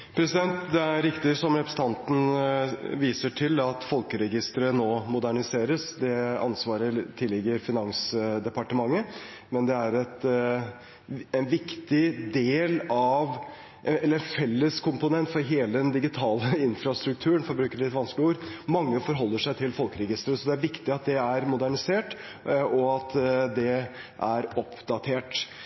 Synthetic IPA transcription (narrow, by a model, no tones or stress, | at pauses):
pʰɾɛsɪd̪ɛnt̪d̪ɛæɾɾɪkt̪ɪsɔmɾɛpʰɾəsət̪ɑnt̪n̩ | ʋiːsəʈʰɪlɑt̪fɔlkəɾɛɡɪst̪əɾənoːmʊd̪æɳɪseːɾəsd̪ɛɑ̰nsʋɑːɾət̪ʰɪlːɪɡəɾfɪnɑŋsd̪ɛpɑʈəmɑŋːə | mɛnd̪ɛæɾɛt̪ | ɛnʋɪkt̪ɪd̪eːlɑʋ | ʔɛlːəɾɛnfɛlːəskʰʊmpʊnɛnt̪fɔɾɦeːləd̪ɛnd̪ɪɡɪt̪ʰɑːləɪnfɾɑst̪ɾʉk̚t̪ʰʉːəɳfɔɾbɾʉːkəɾɭɪt̪ʋɑnsklɪuːɾmɑŋːəfɔɾɦɔlːəʂæɪt̪ʰɪlfɔlkəɾɛɡɪst̪əɾəsɔd̪ɛæɾʋɪkt̪ɪɑt̪̚d̪ɛæɾmʊd̪æɳɪseːʈ | ɔɑt̪d̪ɛ | ʔæɾɔpʰd̪ɑt̪ʰeːʈ